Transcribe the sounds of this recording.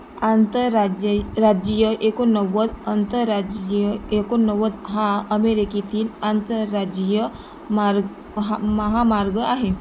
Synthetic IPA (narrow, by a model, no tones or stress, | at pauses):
ant̪əad͡ʒɾad͡ʒijəʔekonəʋəd̪ənt̪əɾad͡ʒjəekonəʋəd̪ɦãəmeɾikit̪ilant̪əɾad͡ʒijə | maɾɡ | ɦməɦamaɾɡəaɦe